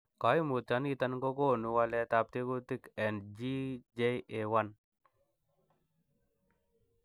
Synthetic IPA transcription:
ka˨˦jmu˨t̪a˨˦nɡi˦t̪a˦nɡo˦ɡo˦˨nu˧wa˧lɛ˦t̪a˧p̚t̪i˦ɡu˦t̪i˦kɛ˨nd͡ʒi˦d͡ʒe˦je˨wa˦n

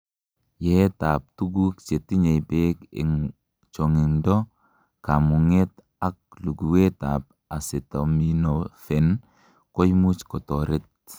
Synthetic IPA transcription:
jɛ˦ta˨p̚tu˦ɡu˦kt͡ʃe˨ti˦ɲe˨jpe˦kɪ̰˨ŋ | t͡ʃɔ˨ŋɪ˨ndɔ˦ | ka˨mu˨ŋe˦t | a˦k̚lu˨ɡu˨we˦ta̰p̚ | a˨sɪ˨ta˨minofɛ˨n | kɔ˦jmu˦t͡ʃkɔ˨tɔ˨ɾɪ˦t̚

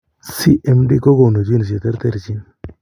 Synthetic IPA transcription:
si˦ʔɛ˦mdi˦ko˦ɡo˨no˨d͡ʒi˦n˨s̬i˨t̪e˦ɾt̪e˦ɾt͡ʃi˦n

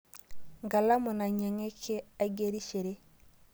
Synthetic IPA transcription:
ŋɡa˨la˦mɔ˨na˨ɲa˨ŋe˦kʰe˦a˦ɡe˦ɾi˦ʃe˨ɾe˦

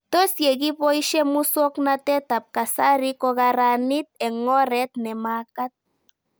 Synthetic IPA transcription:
t̪o˦sje˨ɡi˦po˦iʃɛ˦mu˦sɔ˦knat̪ɛ˦t̪a˨p̚ka˨saɾikɔ˧ɣaɾanit̪̚ɛ˨ŋɔ˦ɾɛt̪̚nɛ˨makat̪̚

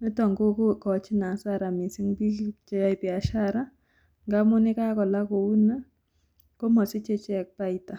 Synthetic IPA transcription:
mi˦tɔ˨ŋɡo˦ko˦kɔ˨t͡ʃi˦na˨˦sa˦˨ɾa˨mi˨si˦ŋbi˦t͡ʃɛ˦ja˦i˨pia˨ʃa˦ɾa˦ | ŋɡa˦mʊ˦nɪ˦ka˦kɔ˨la˦ko˨u˦na˦ | ko˦mɔ˨si˦t͡ʃe˦t͡ʃɛ˦˨k̚pa˦i˨ta˨

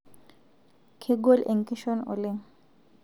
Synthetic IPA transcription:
kʰɪ˦ɡo˦lʔe˨ŋ̩kʼɪ˦ʃɔ˦nʊ̰˨lɪ˨ŋ̩

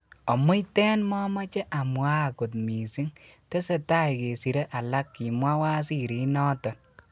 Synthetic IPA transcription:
ɔ˨mʊ˦jtɛ˦nmɔ˦ma˦t͡ʃe˦ʔa˨mwa˦˨ko˨t̚mi˨si˦ŋte˦se˨ta˦jke˨si˨ɾe˦ʔa˨la˦kːi˨mwa˦wa˦s̬i˦ɾi˨˦nɔ˦tɔ˨n

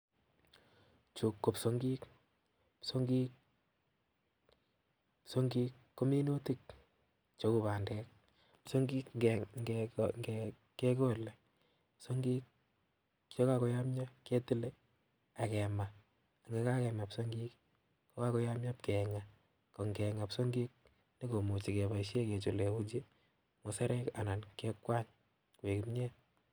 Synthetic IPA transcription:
t͡ʃu˨kːo˨pso˦ŋɡi˦k | pso˦ŋɡi˦k | pso˦ŋɡi˦kːo˦mi˦no˦ti˦k̚ | t͡ʃo˦ku˨βa˨ndɛ˦k̚ | pso˦ŋɡi˦kŋɡŋɡɛ | ke˦ko˦˨le˨ | pso˦ŋɡi˦k̚ | jɔ˦ka˦kɔ˨ja˦mɲɔ˦ke˦ti˦le˦ | a˨kɛ˨ma˨ | a˨ŋe˨˦ka˦kɛ˨ma˨pso˦ŋɡi˦kː | kɔ˦ka˦kɔ˦ja˦mɲa˦p̚kɛ˨ŋa˨ | kɔ˨ŋɡɛ˨ŋa˨pso˦ŋɡi˦k̚ | ne˦ko˨mo˨t͡ʃi˨ke˨ba˨i˨ʃe˦ke˨t͡ʃo˨le˨u˦d͡ʒi˦ | mo˨sa˦ɾɛ˦ka˨na˨nke˦kːwa˦ɲ | kwe˨ki˨mɲe˦t̚

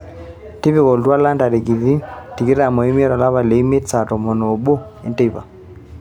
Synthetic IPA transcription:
ti˦βi˦kɔ˨ltwa˦la˦nda˨ɾe˨ɡi˨ði˦ti˨ke˦ɾa˨mɔ˨i˦m˦e˦ɾa˨la˦βa˨le˨˦me˦tsa˨tɔ˨mɔ˨no˨bo˦ | ḭ˨nte˦˨pa̰˨

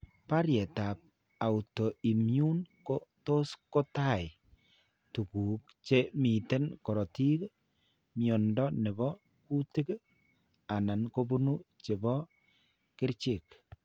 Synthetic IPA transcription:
pa˦ɾjɛ˨ta˨p̚ | a˨u˨tɔ˨i˨mju˦nkoto˦sko˦ta˦˨ɪ˨ | tu˨ku˨k | t͡ʃe˦mi˨te˦nkɔ˨ɾɔ˨ti˦k | mjɔ˨ndɔ˦nɛ˨bɔ˦ | ku˦tɪ˦k | a˨na˨nko˦bu˦nu˦t͡ʃe˨bɔ˦ | kɪ˦ɾt͡ʃɪ˦˨k

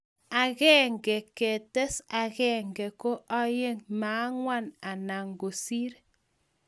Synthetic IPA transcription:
a˨ɣɛ˦ŋɡɛ˨ke˨tɛ˦sa˨ɣɛ˦˨ŋɡɛ˨ko˦ʔa˦je˦ŋma˨˦ŋwa˦na˨na˨ŋɡo˨si˦ɾ

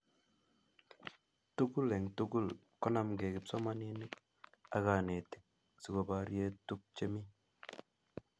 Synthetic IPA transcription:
tu˦ku˦lɛ˨ŋtu˦ɡu˦˨l | kɔ˦na˨mɡe˨kɪ˨p̚sɔ˦ma˦ne˦ni˦k̚ | a˦ɣa˨ne˨ti̥˨k̚ | si˨ɡo˨ba˨ɾje˧˦tu˦k̚t͡ʃe˦mi˦

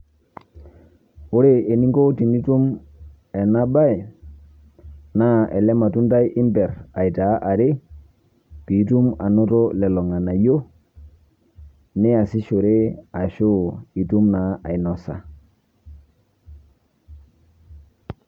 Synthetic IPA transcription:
o˦ɾe˦e˨ni˦ŋɡo˦ti˨ni˦tu˦m | ɛ˨na˦ba˦i˨ | na˦ɛ˨lɛ˦ma˨tu˦nda˦jʔi˦mbɛ˨ɾa˨i˨ta˨˦ʔa˨ɾe˦ | pi˨˦tu˦ma˨no˦to˦lɛ˨lɔ˨ŋa˨na˨jo˦ | ni˦a˨si˦ʃo˨ɾe˦a˨ʃo˦i˨tu˦mna˨˦ʔa̰˨i˨nɔ˨sa̰˨

